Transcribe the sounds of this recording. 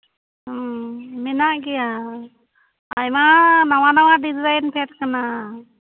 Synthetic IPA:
mɛnaʔɡɛja | jmanawanawaɖizɾajnpʰɛʈ̚kəna

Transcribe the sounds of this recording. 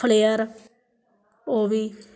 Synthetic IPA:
əleːəɾ | oːʋiː

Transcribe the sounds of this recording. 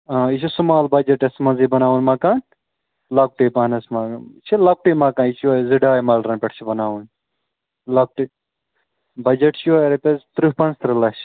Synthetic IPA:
ãit͡ʃʰisumaːlbɐd͡ʒɐʈesmɐnzibɐnaːʋunmaːkaːn | lɐk̚ʈiːpɐnɐsmat͡ʃʰilɐk̚ʈiːmaːkaːnit͡ʃʰiɐziɖaːjmɐːlɖɾɐnpʲeʈʰt͡ʃʰibɐnaːʋun | lɐk̚ʈi | bɐd͡ʒɐʈt͡ʃʰiɐɾepʲezt̪ɾuhpɐnst̪ɾɐlɐt͡ʃʰ

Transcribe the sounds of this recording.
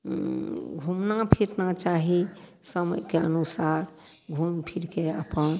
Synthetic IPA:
ɡʱumnapʰiɾnat͡ʃaɦisəmə̰jkeə̰nusaɾ | ɡʱumpʰiɾkeə̰pən

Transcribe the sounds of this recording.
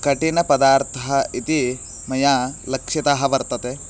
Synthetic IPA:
kɐʈinɐpɐd̪aːɾt̪ʰɐɦɐit̪i | mɐjalɐkʂjɐt̪aɦɐʋɐɾt̪ɐt̪e

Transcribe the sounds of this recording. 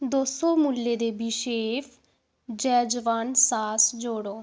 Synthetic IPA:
d̪oːsoːmuːlːeːd̪eːbɪʃeːpʰ | d͡ʒɛːd͡ʒəʋaːnsaːsd͡ʒoːɽoː

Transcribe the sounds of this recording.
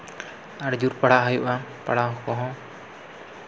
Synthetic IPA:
aɽd͡ʒuɾpaɽaʔɦəjuʔapaɽaɦɔ̃kɔɦɔ̃

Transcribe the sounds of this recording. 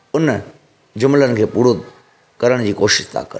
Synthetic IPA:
ʊn | d͡ʑʊmlənɪ̆kʰeːpuːɽo | kɐɾəɽ̃d͡ʑiːkoːʃɪ̥ʃt̪ʰa̰kɐ̰ɾ

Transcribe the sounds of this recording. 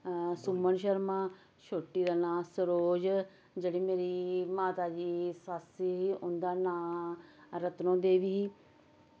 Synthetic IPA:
sʊmənʃ̬əɾmaː | ʃoːʈːiːd̪aːnãːsəɾoːd͡ʒ | d͡ʒeːɽiːmeːɾiːmaːt̪aːd͡ʒiːsaːsiɦiːʊnd̪aːnãː | ɾət̪nõːd̪eːʋiː

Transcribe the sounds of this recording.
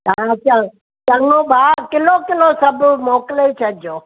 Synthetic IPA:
ãt͡ɕã | t͡ʃɐ̃ŋõːbʱaːkɪlokɪlosɐbʱmoːklet͡ɕʰɐdd͡ʑoː

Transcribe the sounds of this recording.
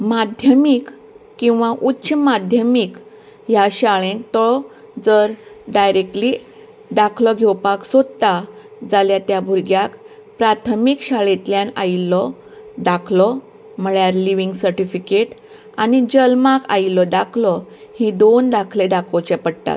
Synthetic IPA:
mad̪ʱjəmik | kːĩw̃ʋaʔutːɕəmad̪ʱjəmik | jaɕaɭẽŋkt̪ɔɭɔ | d͡zəɾɖajɾek̚ʈli | ɖakʰlɔɡʱewpaksod̪t̪ad͡zaljat̪jabʱuɾɡjakpɾat̪ʰmikɕaɭet̪ljãna̰jlɔd̪akʰlɔ | m̤əɭjaɾliʋiŋɡsəɾʈifikeʈ | anid͡ʑəlmaka̰jlɔd̪akʰlɔhĩd̪ond̪akʰled̪akʰɔt͡ɕɛpəɽt̪a̰t̪

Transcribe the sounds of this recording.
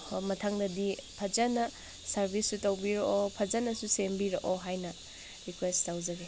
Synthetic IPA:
mɐtʰaŋdɐdipʰɐd͡ʒɐnɐ | sɐɾbʱisːutɐwbiɾoʔopʰɐd͡ʒɐnɐsusembiɾɐʔoɦajnɐ | ɾikwestawd͡ʒɐɡe

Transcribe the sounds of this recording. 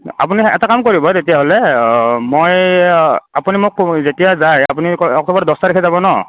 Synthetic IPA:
a̰p̬uniɛ̰takamkoɹibɔtetijaɦolɛmoj | apunimʊkzetijazajapuniɔ̰k̚tɔbɔɹdɔstaɾekʰɛzabɔnɔ

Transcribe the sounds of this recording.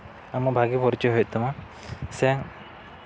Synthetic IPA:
amɔbʱaɡipɔɾt͡ʃɔɦɔjt̪ɔma | sɛ

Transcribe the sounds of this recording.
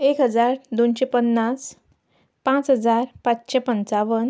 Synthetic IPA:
ekɦəd͡zaɾd̪onɕepənːas | pãt͡sɦəd͡zaɾpat͡sɕepənt͡saʋən

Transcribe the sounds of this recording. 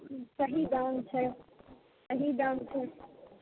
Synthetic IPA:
sɐɦid̪aːnt͡ɕʰɛ | sɐɦid̪aːnt͡ɕʰe

